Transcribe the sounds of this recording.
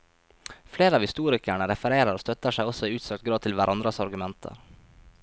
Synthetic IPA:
fleːɾəɑːʋhɪst̪uːɾɪkæɳəɾɛfəɾeːɾəɾoːst̪œt̪ːəʂæɪɔsːɔɪːʉːt̪søːk̚t̪̚ɡɾɑːd̪̚t̪ʰɪlʋæɾʔɑnd̪ɾɑsɑɾɡʉmɛnt̪ʰə̰ɾ

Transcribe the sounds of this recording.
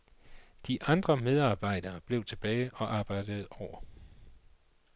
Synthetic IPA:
d̥iʔɑ̈nd̥ʁɐmeð̞ˠɑ̈ːb̥ɑ̈ɪ̰d̥ɐːb̥le̝ʊt͡sʰe̝b̥ɛːɪɒ̽ʔɑ̈ːb̥ɑ̈ɪ̰d̥əð̞̩ˠɒʊ̰ɐ

